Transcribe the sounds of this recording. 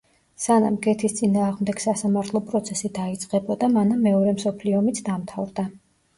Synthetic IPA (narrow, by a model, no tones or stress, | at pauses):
sana̰mɡɛt̪ʰist̪sʼinaːʁmd̪ɛɡ̥sasamaɾt̪ʰlˠɔpʼɾɔt̪sʰɛsid̪ait̪sʼqʼɛbɔd̪amanamːɛɔɾɛmsɔpʰliɔmit̪ʰd̪amt̪ʰavɾd̪a